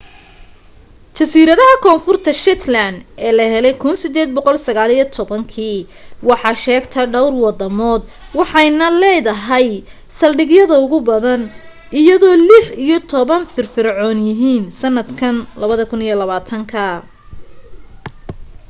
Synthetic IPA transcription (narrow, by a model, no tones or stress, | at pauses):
t͡ʃɐsiːɾɐðɐɦɐkʰɔːnfʊrt̪ʰɐʃɛt̪ʰlɐnd̪ɛːlɐɦɛlɛjkʰʊnsɪd̪ɛːd̪̚bɔqɔlsɐɣaːlijɔt̪ʰɔβɐŋkʰiː | wɑħɑːʃɛːɡt̪ʰɐɖɐwrwɑd̪ɐmɔːd̪wɑħɑjnɐlɛːðɐɦɐj | sɐlɖɪɡjɐðɐʊɣʊbɐðɐn | ʔɪjɐðɔːlɪħijɔt̪ʰɔβɐnfɪrfɪɾʕɔːnjɪɦiːnsɐnːɐd̪kʰɐnlɐβɐðɐkʰʊnijɔlɐβaːt̪ʰɐŋkʰɐ